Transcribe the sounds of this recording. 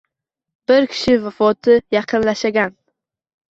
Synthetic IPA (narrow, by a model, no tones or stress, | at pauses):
b̥ɪɾkʲʰɪ̥ʃɪvafɒt̪ʰɪjɑqʰɨnlaʃaɡʲan